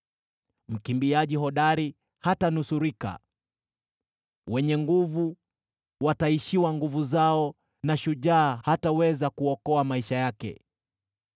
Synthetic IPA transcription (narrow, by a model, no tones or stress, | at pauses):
m̩kimbiaʄiɦɔɗaɾi | hatanusuɾika̰ | wɛɲɛŋɡuvu | wataiʃiwaŋɡuvuzaɔ | naʃuʄaːhatawɛzakuɔkɔamaiʃajakɛ̰